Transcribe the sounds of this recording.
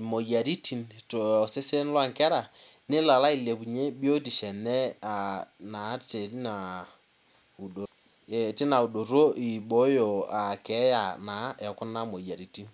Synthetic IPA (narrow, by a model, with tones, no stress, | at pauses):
mo˨ja˨ɾi˦ti˨nto˨se˦se˦n˦lwa˦˨ŋkɛ˦ɾa˨nɪ˦la˨la˦i˨le˨bu˨ɲe˦bjo˦ti˨ʃɛ˨nɛ˦a˨na˨˦te˨i˦na˨ | u˨do˨ | tɪ˦na˨u˨do˨ɾo˦i˨ɓo˦jo˨a˨kɛ˨˦ja˨na˨˦ɛ˨kʊ˦na˦mo˨ja˨ɾi˨ti˦n